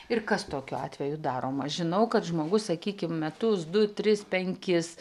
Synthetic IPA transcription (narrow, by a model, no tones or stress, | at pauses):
ɪrkɐst̪oːkʲʊɑ̰ːt̪ʲʋʲɛjʊd̪ɑːɾoːmɐʒʲɪnɐʊkɐt̪ʒmoːɡʊssɐkʲiːkʲɪmmʲɛt̪ʊsd̪ʊt̪ʲɾʲɪspʲɛŋʲkʲɪs